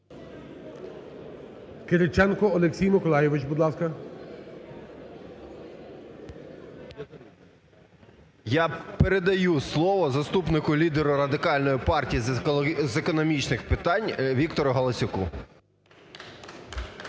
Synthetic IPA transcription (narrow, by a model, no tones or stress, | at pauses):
kɪɾɪt͡ʃɛnkɔɔlˠeksʲijmɪkɔlˠɑjɪʋɪt͡ʃbud̪lˠɑskɐ | japeɾed̪ɐjuslˠɔʋɔzɐst̪upnɪkʊlʲid̪eɾʊɾɐd̪ɪkɑlʲnɔjipɑrtʲijizekɔnɔmʲit͡ʃnɪxpɪt̪ɑnʲʋʲikt̪ɔɾʊɦɐlˠɐsʲʊkṵ